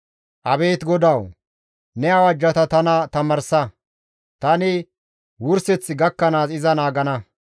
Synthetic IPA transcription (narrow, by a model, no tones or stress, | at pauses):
ʔɐbe̞ːt̪ɡɔd̪ɐw | nɛɐwɐd͡ʒːɐt̪ɐt̪ɐnɐt̪ɐmɐɾsɐ | t̪ɐnɪ | wʊɾsɛt͡sːɪɡɐkːɐnaːsɪzɐnaːɡɐnɐ